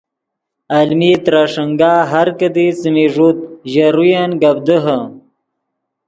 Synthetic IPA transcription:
almit̪ɾaʂəŋɡaːɦaɾkəd̪it͡simiʐut̪̚ʑaɾujanɡab̚d̪əɦə

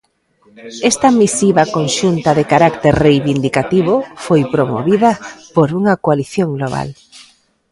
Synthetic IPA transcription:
ɛst̪ɐmisiβɐkonʃunt̪ɐðekaɾakt̪eɾrejβind̪ikat̪iβ̞ʊfojpɾomo̰βiðɐpoɾuŋɐkoaliθjoŋɡloβ̞a̰l

